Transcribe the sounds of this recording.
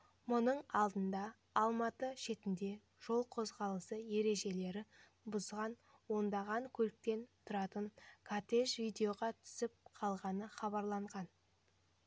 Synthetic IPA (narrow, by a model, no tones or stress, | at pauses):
mʊnəɴɑlˠd̪ənd̪ɑː | lˠmɑt̪əʃe̞t̪ɪnd̪e̞ | ʒ̥o̞lˠqʰo̞zʁɑlˠəsəje̞ɾe̞ʒe̞le̞ɾɪ | bʊzʁɑn | wo̞nd̪ɑʁɑŋkʲʰɵlɪk̚t̪e̞nt̪ʰʊɾɑt̪əɴkʰat̪eʒvijd̪e̞oʁɑt̪ʰʏ̥sɪp̚qʰɑlˠʁɑnəχɑβɑɾlˠɑɴʁɑn